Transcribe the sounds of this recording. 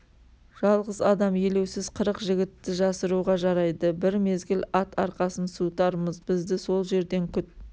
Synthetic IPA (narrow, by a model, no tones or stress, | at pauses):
ʒ̥ɑlˠʁəzɑd̪ɑmjele̞wsɪzqʰəɾəqʒɪɡʲɪt̪ːɪʒɑsəɾuʁɑʒɑɾɑjd̪əbɪɾme̞zɡʲɪlʲɑt̪ʰɑɾqɑsənsut̪ɑɾməzbɪzd̪ɪso̞lˠʒe̞ɾd̪e̞ŋkʲʰʏt̪̚